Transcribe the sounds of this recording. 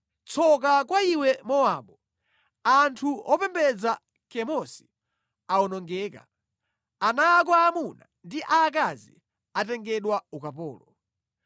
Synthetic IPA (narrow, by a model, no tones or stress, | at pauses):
t͡sʰɔk̬akwaiwɛmɔaɓɔ | antʰuɔpɛmbɛd͡za | kɛmɔsi̥ | aɔnɔŋɡɛːka̰ | anaːk̬waːmunandiʔakazḭ | atɛŋɡɛɗwaukapɔːlɔ